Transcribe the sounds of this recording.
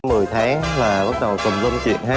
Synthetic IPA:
mɨ˨˩əjt̪ʰaː˨˦ŋlaː˨˩ɓa˦˥k̚ɗə˨˩kə˨˩wŋ͡mzə˧wŋ͡mt͡ɕḭ˧˨ənɦaː˦˥

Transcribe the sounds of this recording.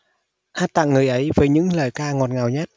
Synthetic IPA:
ʔaː˧˥t̚t̪a̰ː˧˨ŋɨ˨˩əjʔə˨˦jvəː˨˦jɲɨ̰˧˥ŋləː˨˩jkaː˧ŋɔ˨˩t̚ŋa˨˩wɲa˦˥t̚

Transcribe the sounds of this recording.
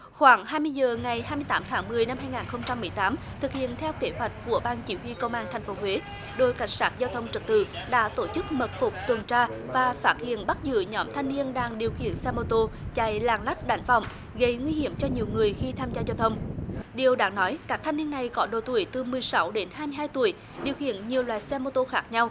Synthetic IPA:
xwaː˧˩ŋɦaː˧jmɨ˧əjzəː˨˩ŋa˨˩jɦaː˧jmɨ˧əjt̪aː˨˦mt̪ʰaː˨˦ŋmɨ˨˩əjna˧mɦaː˧jŋaː˨˩nxə˧wŋ͡mt͡ɕa˧mːɨ˨˩əjt̪aː˨˦m | t̪ʰɨ˨˩k̚hḭ˧˨ənt̪ʰɛ˧wke˧˨˦ɦwa˨˩jt̟̚ku˧˩əɓaː˧nt͡ɕi˧˩˦hwi˧kə˧wŋ͡mʔaː˧nt̪ʰɛ˨˩jŋ̟fo˨˦hwe˨˦ | ɗo˧˩jka˧˩jŋ̟saː˦˥t̚zaː˧wt̪ʰə˧wŋ͡mt͡ɕɨ˨˩t̚t̪ɨ̰˧˨ɗa̰ː˧˥t̪o˧˩t͡ɕɨ˦˥k̚mə˨˩t̚fʊ˨˩k͡p̚t̪wə˨˩ŋt͡ɕaː˧vaː˨˩faː˦˥t̚hḭ˧˨ənɓa˦˥t̚zɨ̰˧˨ɲɔ˨˦mt̪ʰa˧jŋ̟ni˧ənɗaː˧ŋɗi˨˩əwxḭ˧˨ənsɛ˧mo˧t̪o˧t͡ɕa̰˧˩jlaː˨˩ŋla˦˥jk̟̚ɗa˨˦jŋ̟vɔ̰˧˨wŋ͡m | ɣə˨˩jŋwi˧hi˧˥əmt͡ɕɔ˧ɲi˨˩əwŋɨ˨˩əjxi˧t̪ʰaː˧mzaː˧zaː˧wt̪ʰə˧wŋ͡mɗi˨˩əwɗa̰ː˨˦˥ŋnɔ˨˦jkaː˦˥k̚t̪ʰa˧jŋ̟ni˧əna˨˩jkɔ˨˦ɗo˨˩t̪ṵ˧˩əjt̪ɨ˨˩mɨ˨˩əjsa˨˦wɗe˨˦nɦaː˧jmɨ˧ɦhaː˧jt̪u˧˩əj | ɗi˨˩əwhḭ˧˨ənɲi˨˩əwlwa̰ː˨jsɛ˧mo˧t̪o˧xaː˦˥k̚ɲa˧w

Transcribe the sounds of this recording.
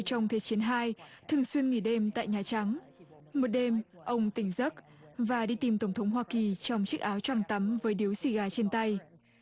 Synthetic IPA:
t͡ɕɔ˧wŋ͡mt̪ʰe˨˦t͡ɕi˨˦ənɦaː˧jt̪ʰɨ˨˩əŋswi˧ənŋi˧˩ɗe˧mt̪a̰ː˧˨jɲaː˨˩t͡ɕa˨˦ŋ | mo˨˩t̚ɗe˧mʔə˧wŋ͡mt̪ï˧˩ŋ̟zə˦˥t̚ | vaː˨˩ɗi˧t̪i˨˩mt̪ə˧˩wŋ͡mt̪ʰə˨˦wŋ͡mɦwaː˧ki˨˩t͡ɕɔ˧wŋ͡mt͡ɕɨ˦˥k̚ʔaː˨˦wt͡ɕwa˧˩ŋt̪ə˨˦mvəː˨˦jɗi˨˦wsi˧˩ɣaː˧˩t͡ɕe˧nt̪a˧j

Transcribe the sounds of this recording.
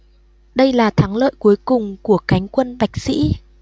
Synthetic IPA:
ɗə˧jlaː˨˩t̪ʰaː˨˦ŋlə̰ː˧˨jku˨˦əjkʊ˨˩ŋ͡mku˧˩əka˨˦jŋ̟kwə˧nɓa˨˩jk̟̚sḭ˧˥

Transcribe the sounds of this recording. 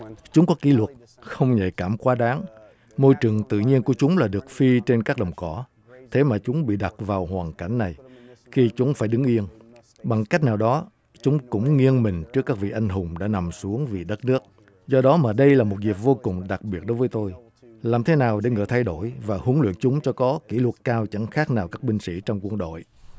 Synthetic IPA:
t͡ɕʊ˨˦ŋ͡mkɔ˨˦ki˧˩˦lwə˨˩t̚ | xə˧wŋ͡mɲə̰˧˨jkaː˧˩mkwaː˨˦ɗaː˨˦ŋ | mo˧jt͡ɕɨ˨˩əŋt̪ɨ̰˧˨ɲi˧ənku˧˩ət͡ɕʊ˨˦ŋ͡mlaː˨˩ɗɨ˨˩ək̚fi˧t͡ɕe˧nkaː˦˥k̚ɗə˨˩wŋ͡mkɔ˧˩ | t̪ʰe˨˦maː˨˩t͡ɕʊ˨˦ŋ͡mɓḭ˧˨ɗa˨˩t̚vaː˨˩whwaː˨˩nka˧˩jŋ̟na˨˩j | xi˧t͡ɕʊ˨˦ŋ͡mfaː˧˩jɗɨ˨˦ŋʔi˧ən | ɓa˨˩ŋka˦˥k̚naː˨˩wɗɔ˨˦ | t͡ɕʊ˨˦ŋ͡mkʊ̰˧˥ŋ͡mŋi˧ənmï˨˩ŋ̟t͡ɕɨ˦˥kːaː˦˥k̚vḭ˧˨ʔa˧jŋ̟ɦʊ˨˩ŋ͡mɗa̰ː˧˥na˨˩msu˨˦əŋvi˨˩ɗə˦˥t̚nɨ˦˥ək̚ | zɔ˧ɗɔ˨˦maː˨˩ɗə˧jlaː˨˩mo˨˩t̚ɣi˨˩əp̚vo˧kʊ˨˩ŋ͡mɗa˨˩k̚ɓi˨˩ət̚ɗo˨˦jvəː˨˦jt̪o˧j | laː˨˩mt̪ʰe˨˦naː˨˩wɗe˧˩ŋɨ̰˧˥˩t̪ʰa˧jɗo˧˩jvaː˨˩hʊ˨˦ənlwḭ˧˨ənt͡ɕʊ˨˦ŋ͡mt͡ɕɔ˧kɔ˨˦kḭ˧˩lwə˨˩t̚kaː˧wt͡ɕa˧˩ŋxaː˦˥k̚naː˨˩wkaː˦˥k̚ɓï˧ŋ̟sḭ˧˥t͡ɕwŋ͡mkwənɗo̰˧˨j

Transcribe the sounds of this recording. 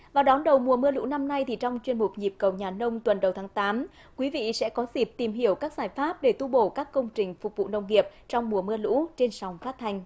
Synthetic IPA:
vaː˨˩wɗɔ˨˦nɗə˨˩wmu˨˩əmɨ˧əlṵ˧˥na˧mna˧jt̪ʰi˨˩t͡ɕɔ˧wŋ͡mt͡ɕwi˧ənmʊ˨˩k͡p̚ɲi˨˩p̚kə˨˩wɲaː˨˩nə˧wŋ͡mt̪wə˨˩nɗə˨˩wt̪ʰaː˨˦ŋt̪aː˨˦m | kwi˨˦vḭ˧˨sɛ̰˧˥kɔ˨˦zi˦˩p̚t̪i˨˩mɦi˧˩əwkaː˦˥k̚z̥aː˧˩jfaː˦˥p̚ɗe˧˩t̪u˧ɓo˧˩kaː˦˥kːə˧wŋ͡mt͡ɕï˨˩ŋ̟fʊ˨˩k͡p̚vṵ˧˨nə˧˩wŋ͡mŋi˨˩əp̚t͡ɕɔ˧wŋ͡mmu˨˩əmɨ˧əlṵ˧˥t͡ɕe˧nsɔ˨˦wŋ͡mfaː˦˥t̚t̪ʰa˧jŋ̟

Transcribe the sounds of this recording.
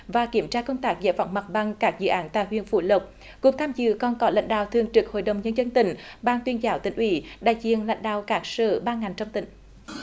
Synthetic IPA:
vaː˨˩ki˧˩əmt͡ɕaː˧kə˧wŋ͡mt̪aː˦˥k̚za̰˧˦jva̰˧˩wŋ͡mma˨˩t̚ɓa˧ŋkaː˦˥k̚zɨ̰˧˨ʔaː˨˦nt̪a̰ː˧˨jhwḭ˧˨ənfṵ˧˩lə˨˩k͡p̚ | ku˨˩ək̚t̪ʰaː˧mzɨ̰˧˨kɔ˨˩nkɔ˨˦la̰˧˥jŋ̟ɗa̰ː˧˨wt̪ʰɨ˨˩əŋt͡ɕɨ˨˩k̚ho̰˧˨jɗə˨˩wŋ͡mɲə˧nzə˧nt̪ï˧˩ŋ̟ɓaː˧ŋt̪wi˧ənzaː˨˦wt̪ï˧˨˩ŋ̟ʔwi˧˦ɗa̰ː˧˨jzḭ˧˨ənla̰˧˥jŋ̟ɗa̰ː˧˨wkaː˦˥k̚sɨ̰ː˧˩ɓaː˧ŋa˨˩jŋ̟t͡ɕɔ˧wŋ͡mt̪ï˧˩˦ŋ̟

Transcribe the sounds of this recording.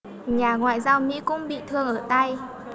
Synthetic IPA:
ɲaː˨˩ŋwa̰ː˧˨jzaː˧wmḭ˧˥kʊ̰˧˥ŋ͡mɓḭ˧˨t̪ʰɨ˧əŋʔəː˧˩t̪a˧j

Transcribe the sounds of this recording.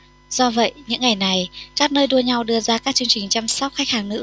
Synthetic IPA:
z̥ɔ˧və̰˧˨jɲɨ̰˧˥ŋːa˨˩jna˨˩jkaː˦˥k̚nəː˧jɗu˧əɲa˧wɗɨ˧əzaː˧kaː˦˥k̚t͡ɕɨ˧əŋt͡ɕï˨˩ŋ̟t͡ɕa˧msɔ˦˥wk͡p̚xa˦˥k̚haː˧˩ŋnɨ̰˧˥

